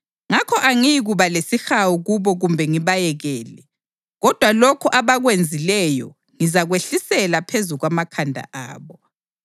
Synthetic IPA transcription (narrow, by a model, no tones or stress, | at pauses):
ŋakʰɔʔaŋijiɣuβalesixawuɣuβɔɣumbʱɛŋiβajɛɣɛːlɛ | ɣɔd̥ʱwalɔkʰɔʔaβaɣwend͡zʱilɛjɔ̰ | ŋizaɣweɬisɛlapʰezuɣwamakʰandʱa̰ʔa̰ːβɔ